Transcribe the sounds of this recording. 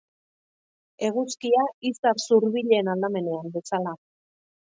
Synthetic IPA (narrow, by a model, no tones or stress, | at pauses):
e̞ɣ̞uskiaisaɾsuɾβiʎeːnald̪ame̞ne̞ambe̞sala